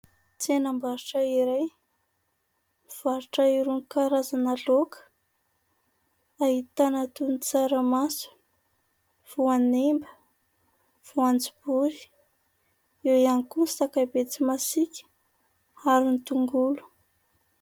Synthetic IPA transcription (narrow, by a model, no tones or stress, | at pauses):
t͡senambaɾuʈ͡ʂaiɾej | v̥aɾuʈ͡ʂaiɾunkaɾazanalokə̥ | aɦit̪anat̪unit͡saɾəmasu̥ | v̥uanembə | v̥uand͡zibuɾi̥ | ewianikunsakabet͡simasikʲə̥ | aɾinit̪uŋɡulu̥